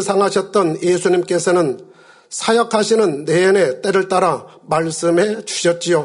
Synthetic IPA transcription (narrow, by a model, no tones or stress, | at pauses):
sʰaŋɦaɕʰʌt̚t͈ʌnjesʰuɲimk͈e̞sʰʌnɯn | sʰajʌkʰaɕʰinɯnːeːne̞t͈eɾɯɭt͈aɾa | maɭs͈ɯmɦe̞t͡ɕu̥ɕʰʌt̚t͡ɕ͈ijo